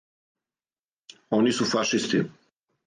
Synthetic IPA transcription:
onisufaʃist̪ḭ

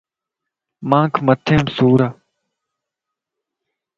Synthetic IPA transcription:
mãːkʰmət̪ʰẽːmsuːɾaː

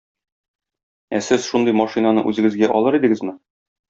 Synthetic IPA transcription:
æsɘz̥ʃund̪ɤjmɑʃinanɤʔʉzɘ̆ɡɘzɡæʔɒlˠɤɾid̪ɘ̆ɡɘzmɘ

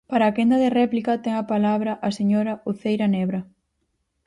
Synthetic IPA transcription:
paɾaːkend̪ɐðerɛplikɐt̪ɛŋɐpalaβɾɐʔɐseɲoɾɐuθejɾɐnɛβɾɐ

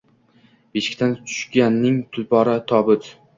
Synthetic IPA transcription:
b̥eʃɪ̥kʲt̪ʰant̪ʰʊ̥ʃɡʲanːɪŋt̪ʰʊlpɒɾat̪ʰɒbɪt̪

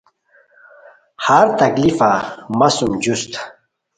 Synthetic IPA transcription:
haɾt̪ɐklifamasumd͡ʑust̪

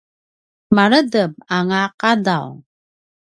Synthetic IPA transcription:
maɾədəmaŋaqada̰w

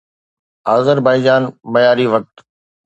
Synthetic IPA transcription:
aːzəɾbaːɪd͡ʑaːnmɐjaːɾiʋɐk̚t̪

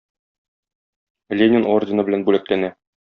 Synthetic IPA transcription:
lʲenʲɪnordʲɪnɤbɘ̆lænbʉlæklænæ

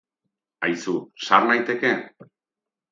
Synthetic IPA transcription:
ajsuʃaɾnajt̪e̞ke̞

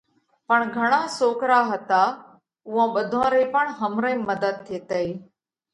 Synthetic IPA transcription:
pəɳɡʱəɳ̃ãːsoːkɾaːɦət̪aː | ʊɦãːɓəd̪ʱãːɾeːpəɳɦəmɾəĩːməd̪əd̪̚t̪ʰːeːt̪əiː

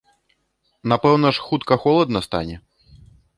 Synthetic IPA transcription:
napɛwnɐʂxut̪kɐxɔlˠɐd̪nɐst̪a̰nʲɛ

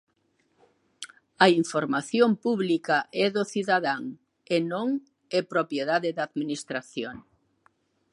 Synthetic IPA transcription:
ɐiɱfoɾmaθjompuβlikaʔɛðoθiðaðaŋ | enõŋ | ɛpɾopjeðaðɪðaðminist̪ɾaθjoŋ

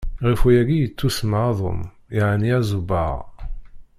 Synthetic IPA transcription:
ʁifujæɡijət͡sːusmaɑðˤo̰m | iʕniæzubə̰ʁ

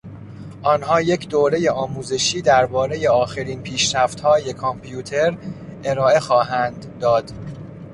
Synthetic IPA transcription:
ʔɒːnɦɒːje̞cʰd̪oːɾe̞je̞ɒːmuːze̞ʃiːd̪æɾbɒːɾe̞je̞ɒːxeɾiːnpʰiːʃɾæft̪hɒːje̞kʰompʰjuːt̪ʰe̞ɾʔeɾɒːe̞xɒːɦænd̪ːɒːd̪̥

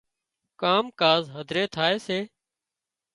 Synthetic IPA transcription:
kaːmkaːzɦəd̪ʱɾeːt̪ʰaːeːseː

